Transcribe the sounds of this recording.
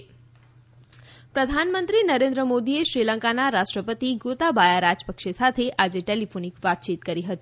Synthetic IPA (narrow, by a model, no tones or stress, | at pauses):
pɾəd̪ʱanmənt̪ɾinəɾend̪ɾəmod̪ieʃɾiləŋkanaɾaʂʈɾəpət̪iɡot̪abajaɾad͡ʒpəkʂesat̪ʰeʔad͡ʒeʈelifʰonikʋat̪̚t͡ʃit̪kəɾiɦət̪i